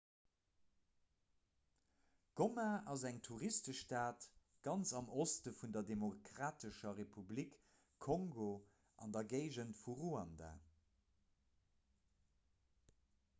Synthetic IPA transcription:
ɡ̥omaʔɑzæŋtʰuʁistəʃtaːt | ɡ̥ɑnt͡sɑmostəfundɐdemokʁaːtəʃɐʁepʰublik | kʰːoŋɡo | ʔɑ̰ndɐɡeɪʒəntfuʁuɑnda̰

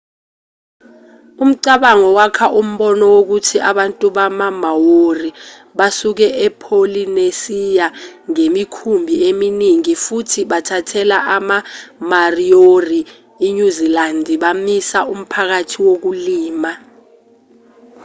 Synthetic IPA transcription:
um̩ǀaɓaŋɔwakʰaʔum̩ɓɔnɔwok̬utʰiʔaɓantʼuɓamamawori | ɓasuk̬ɛʔɛpʰolinesijaŋemikʰumbʱieminiŋifutʰiɓatʰatʰɛlaʔamamarioriː | ɲuzilandʱiɓamisaum̩pʰak̬atʰiwok̬uliːma

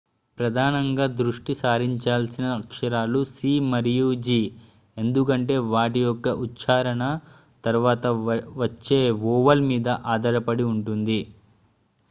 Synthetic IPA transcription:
pɾɐd̪ʱaːnɐŋɡaːd̪ɾuʂʈisaːɾiɲt͡ʃaːlsinɐːkʂɐɾaːlusiːmɐɾjuːd͡ʒiː | e̞nd̪uk̬ɐɳʈe̞ːʋaːʈijɔkːɐʔut̪ːt͡ʃaːɾɐɳɐ | t̪ɐɾuʋaːt̪ɐʋɐt͡ʃːe̞ːʋɔːʋɐlmiːd̪ɐʔaːd̪ʱɐɾɐpɐɽiuɳʈund̪i

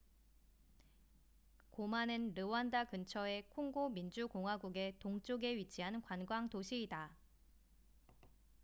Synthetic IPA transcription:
komanɯnɾɯwandakɯnt͡ɕʰʌe̞kʰoŋɡomind͡ʑukoŋɦwaɡuɡe̞toŋt͡ɕ͈oɡe̞ɥit͡ɕʰiɦankwanɡwaŋtoɕʰiːda

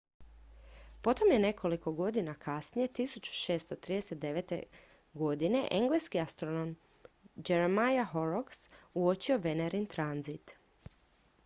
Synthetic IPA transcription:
po̞t̪o̞mje̞ne̞kʰo̞liko̞ɡo̞d̪inakasnije̞t̪isut͡ɕu̥ʃe̞ːst̪o̞t̪ɾiːd̪e̞set̪̚d̪e̞ʋet̪e̞̰ | ɡo̞d̪ine̞̰ʔe̞ŋɡlejskiast̪ɾonom | d͡ʒe̞ɾemajaɦo̞ɾoksuot͡ɕio̞ʋe̞neɾint̪ɾanzit̪

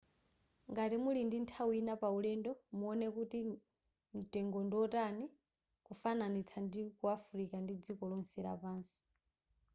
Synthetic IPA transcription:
ŋɡatimulindintʰawinapaulɛndɔmuɔnɛkuti | m̩tɛŋɡɔndɔtani | kufananit͡sʰandikuafuɾikandid͡zikɔlɔnsɛɾa̰paːnsi̥

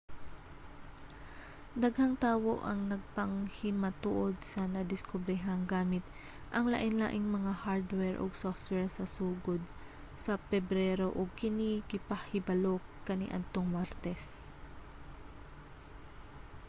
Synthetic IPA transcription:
d̪ɐɡhɐŋt̪aːwoʔɐŋnɐɡ̚pɐŋhɪmɐt̪ṵʔod̪̚sɐnɐd̪ɪskobɾɛɦɐŋɡaːmɪt̪̚ | ʔɐŋla̰ʔɪnla̰ːʔɪŋmɐŋahaɹd̪wɛɹʔo̰ɡsoft̪̚wɛɹsɐsuːɡod̪̚ | sɐpɛbɾɛɾoʔoɡ̚kɪnikɪpɐhɪbɐlokːɐnḭʔɐ̰d̪̚t̪oŋmaɾt̪ɛs

